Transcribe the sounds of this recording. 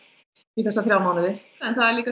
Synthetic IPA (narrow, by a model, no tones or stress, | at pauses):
iθɛsːaθɾjaːwmaːwnɪðɪ | ɛnθaðɛɾliːka